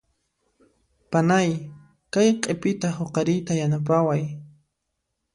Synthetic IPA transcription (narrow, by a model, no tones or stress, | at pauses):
panaj | kajqʼepɪt̪ahoqɑɾɪjt̪ajanap̬awaj